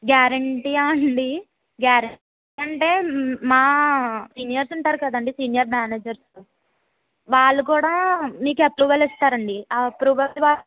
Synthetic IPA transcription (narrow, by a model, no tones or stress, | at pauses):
ɡjaːɾɐɳʈiːaɐɳɖi | ɡjaːɾɐ | ɐɳʈe̞ːmaːsiːnijɐɾsuɳʈaːɾukɐd̪ɐɳɖisiːnijɐɾmaːneːd͡ʒɐɾs | ʋaːɭːuk̬uːɽaːmiːkɐpɾuːʋɐlist̪aːɾɐɳɖiɐpɾuːʋɐʋaː